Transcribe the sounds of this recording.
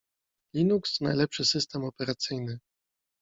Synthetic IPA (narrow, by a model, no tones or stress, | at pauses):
lʲinuksnajlɛpʂɘsɘst̪ɛmɔpɛɾat̪sɘjnɘ